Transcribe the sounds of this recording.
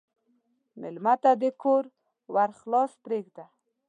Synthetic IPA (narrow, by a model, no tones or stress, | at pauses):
mɪ̰lmat̪ad̪əkoɾ | waɾχlɑspɾeɡd̪a